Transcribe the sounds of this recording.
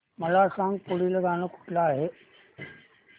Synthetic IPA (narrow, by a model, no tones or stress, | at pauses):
mɐlaːʂãːŋɡ̚puɽiləɡaːnokʊ̥ʈlaɦe